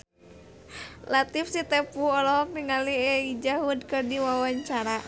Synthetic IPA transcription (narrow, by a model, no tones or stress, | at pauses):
lat̪ifsit̪ɛpuɔlɔniŋaliɛid͡ʒaɦudkɨrdiwawaɲt͡ʃaɾa